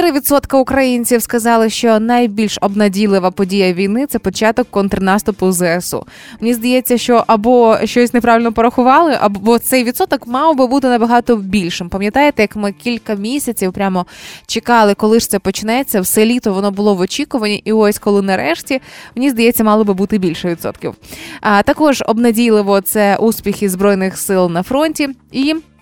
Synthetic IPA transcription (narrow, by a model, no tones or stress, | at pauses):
ɾɪʋʲid̪sɔt̪kɐʊkɾɐjinʲt͡sʲiwskɐzɑlˠɪʃt͡ʃɔnɐjbʲilʲʃɔbnɐdʲilˠɪʋɐpɔdʲijɐʋʲijnɪt̪sɛpɔt͡ʃɑt̪ɔkːɔnt̪ɾɪnɑst̪ʊpʊzɛesṵ | menʲizd̪ɐjɛt͡sʲːɐʃt͡ʃɔʔɐbɔʃt͡ʃɔsʲnepɾɑʋʲilʲnɔpɔɾɐxʊʋɑlˠɪʔɐbɔt̪sɛjʋʲid̪sɔt̪ɔkmɑwbɨbut̪ɪnɐbɐɦɑt̪ɔbʲilʲʃɪmpɐmʲjɐt̪ɑjet̪ɛjɐkmɪkʲilʲkɐmʲisʲɐt͡sʲiwpɾʲamɔt͡ʃekɑlˠɪkɔlˠɪʂt̪ɛpɔt͡ʃɪnɛt͡sʲːɐwsɛlʲit̪ɔʋɔnɔbʊlˠɔʋɔt͡ʃʲikʊʋɐnʲiʔiɔsʲkɔlˠɪnɐɾɛʃtʲimenʲizd̪ɐjɛt͡sʲːɐmɑlˠɔbɨbut̪ɪbʲilʲʃɛʋʲid̪sɔ̰t̪kʲḭwt̪ɐkɔʒɔ̰bnɐdʲilˠɪʋɔt̪sɛʔuspʲixʲizbɾɔjnɪxsɪlˠnɐfɾɔnʲtʲii